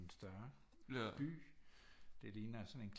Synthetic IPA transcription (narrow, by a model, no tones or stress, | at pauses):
nsd̥ɶɐ | b̥y̰ː | d̥e̝liːnɐæsɒ̽ne̝nkʰ